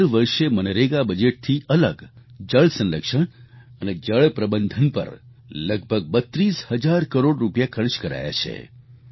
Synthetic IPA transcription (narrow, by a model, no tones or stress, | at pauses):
ɾʋəɾʃemənəɾeɡabəd͡ʒeʈ̚t̪ʰiʔələɡd͡ʒəɭsənləkʃəɽ | əned͡ʒəɭpɾəbənd̪ʱənpə̰ɾ | ləɡ̚bʱəɡ̚bət̪ɾishəd͡ʒaɾkəɾoɽɾupjakʰəɾt͡ʃkəɾa̰ja̰t͡ʃʰḛ